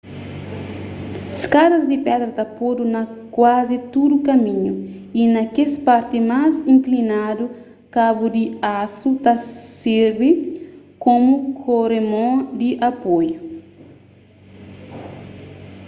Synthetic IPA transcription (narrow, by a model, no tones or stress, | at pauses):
skadɐzd̪ipɛd̪ɾɐt̪apod̪unɐkwazit̪ud̪ukɐmĩɲu | inɐkespaɾt̪imazĩŋklinad̪u | kabud̪iasut̪aseɾbi | komukʰoɾemõd̪iʔapoju